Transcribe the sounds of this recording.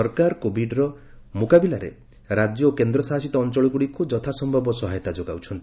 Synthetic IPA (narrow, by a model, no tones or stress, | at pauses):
ɔɾkaɾkobiɖɾɔ | mukabilaɾḛ | ɾad͡ʒjɔokend̪ɾɔsaɦasit̪ɔːnt͡ʃɔɭɔɡuɽikud͡ʒɔt̪ʰasɔmbʱɔbɔsɔɦajɔt̪ad͡ʒoɡa̰wt͡ʃʰɔnt̪i